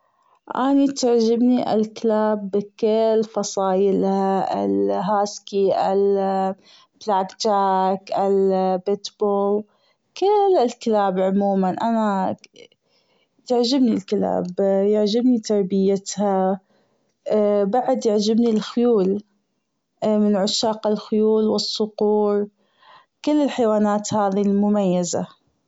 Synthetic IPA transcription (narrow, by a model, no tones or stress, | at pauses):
ʔanit̪aʕd͡ʒɪbniʔɪ̰lkɪlaːbkɪlfɑsˤɑːjɪlhaʔɪ̰lɦaːskiʔɪl | b̥laːkt͡ʃaːkʔɪlbɪt̪boːl | kɪlɪlklaːbʕʊmuːmanʔana | t̪aʕd͡ʒɪbnilkɪla̰ːbjɪʕd͡ʒɪbnit̪ɑɾˤbɪjat̪ha | baʕd̪jɪʕd͡ʒɪbnilxʊjuːl | mɪnʕʊʃːaːqalxʊjuːlwɪsˤːʊquːɾˤ | kɪlːɪlħajwaːnaːt̪haːðilmʊmajːaza̰